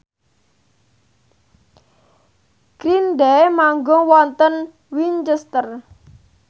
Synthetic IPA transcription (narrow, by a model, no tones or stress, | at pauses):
ɡ̥ɾinɖɛmaŋɡɔwɔnt̪ən | wint͡ʃəst̪ər